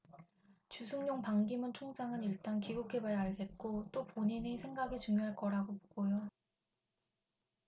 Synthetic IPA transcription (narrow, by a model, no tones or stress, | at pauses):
t͡ɕusʰuŋɲoŋpaŋɡimɯnt͡ɕʰoŋd͡ʑaŋɯniɭt͈ankiɡukʰebajaɭsʰe̞t̚k͈ot͈opoɲinisʰe̞ŋɡaɡit͡ɕuŋjoɦaɭk͈ʌɾaɡopoɡ̥ojo